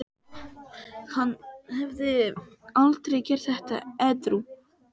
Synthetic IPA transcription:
hanːhɛvðɪalt̪ɾɛjcɛɾ̥θɛht̪a̰ɛt̪ɾu

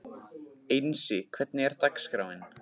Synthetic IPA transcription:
ejnsɪkʰvɛt̪nɪɛɾ̥t̪akskɾawɪn

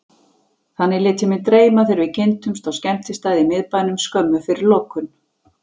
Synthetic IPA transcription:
θanːɪlɪːt̪ɪmɪnt̪ɾeːjmaθɪɾvɪcʰent̪ʏmst̪ɔscɛm̥t̪ɪst̪aːjðɪmɪðpaːjnʏmskœmːʏfɪɾɪɾlowkʏn

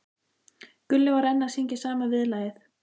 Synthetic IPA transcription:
kʏlːɪvaɾɛnːasiɲcɪsaːmavɪðlaːjɪθ

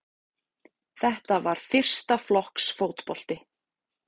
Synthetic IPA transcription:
θɛht̪avaɾ̥fɪr̥st̪aflɔhksfoːwt̪pɔl̥t̪ɪ

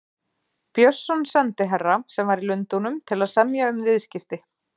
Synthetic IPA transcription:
pjœsːɔnsɛnt̪ɪɦɛrːasɛmvaɾilʏnt̪unʏmt̪ʰɪlaðsɛmjaʏmvɪðscɪft̪ɪ

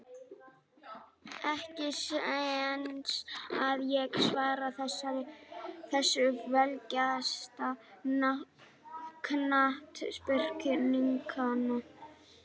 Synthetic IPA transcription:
ɛhcɪs | nsaðjɛɣsvaːɾaθɛsa | θɛsːʏvɛlcast̪aa | kʰnaht̪spʏr̥cʏmiŋkʰana

